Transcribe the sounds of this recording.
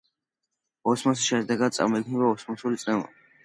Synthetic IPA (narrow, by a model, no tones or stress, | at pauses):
ɔsmɔs̬i̥ʃɛd̪ɛɡad̪̚sʼa̰mɔikʰnibaɔsmɔsulit̪sʼlɛma̰